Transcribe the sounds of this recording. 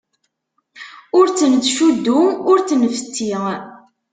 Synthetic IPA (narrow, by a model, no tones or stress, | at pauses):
ʊɾt͡sːənt͡sːʃud̪ːuʊɾt͡snfə̥t̪ːiʁ